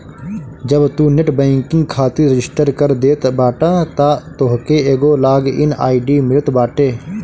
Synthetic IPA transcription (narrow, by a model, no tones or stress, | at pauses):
d͡ʒəbt̪uːneʈbẽːŋkɪ̃ŋɡ̚kʰaːt̪iɾəd͡ʒɪsʈəɾkəɾd̪eːt̪baːʈãːt̪at̪oɦkeeːɡolaːɡɪnaːiɖiːmɪɾət̪baːʈeː